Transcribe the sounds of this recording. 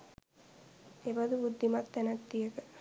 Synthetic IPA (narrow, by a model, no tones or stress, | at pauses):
eʋɐd̪ubud̪ʱːimat̪ːɛnɐt̪ːijəkə